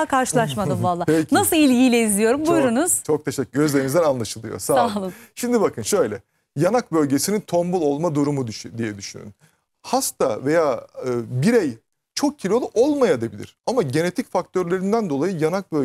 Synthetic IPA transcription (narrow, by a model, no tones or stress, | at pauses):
kʰaɾʃɯlˠaʃmad̪ɯmvalˠːaːpenasɯlˠilʲɟijlʲɛizlʲijo̞ɾumbujɾunuz̥t͡ʃʰo̞k̚t̪ʰe̞ʃɛcːyɟøzlʲeɾinizd̪ɛnanlˠaʃɯlˠɯjo̰saːlˠlˠɯʃimd̪ibakʰɯnʃø̞jlʲɛ | janak̚bø̞lʲɟe̞sinint̪ʰo̞mbulˠo̞lˠmad̪uɾumud̪ʃd̪ijɛd̪yʃyny̰n | hast̪ʰave̞jaːɯːbiɾej | t͡ʃʰo̞k̚cʰilʲo̞lˠuʔo̞lˠmajad̪ebilʲḭɾ̥amaɟe̞ne̞t̪ʰicfak̚t̪ʰø̞ɾlʲe̞ɾind̪ænd̪o̞lˠajɯjanak̚bø